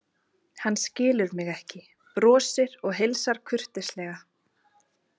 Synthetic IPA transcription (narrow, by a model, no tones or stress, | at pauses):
hanːscɪːlʏðmɪɣɛhcɪ | pɾɔːsɪɾɔɣɦejlsaɾ̥kʰʏr̥t̪ɪslɛɣa